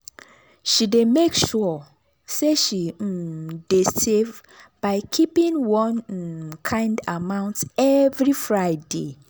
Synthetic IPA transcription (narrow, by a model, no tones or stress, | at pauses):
ʃidemekʃɔ | seʃidesev | b̥aɪkʰipĩŋwɔ̃nkʰãɪ̃ndamãʊ̃ntɛvɹifɹaɪde